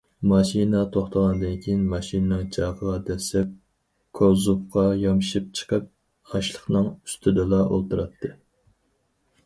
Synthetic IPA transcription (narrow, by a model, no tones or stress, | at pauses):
mɑʃinɑt̪ʰoχt̪ʰəʁɑnd̪ɪnkʲʰijinmɑʃinnɨŋt͡ʃʰɑʁəʁɑd̪ɛsɛp̚ | kʰozupqɑjɑmʃip̚t͡ʃʰə̥qʰəp̚ | ɑʃlˠəχnɨŋy̥st̪ʰɪd̪ɨlˠɑʔolˠt̪ɨɾɑt̪ʰːɨ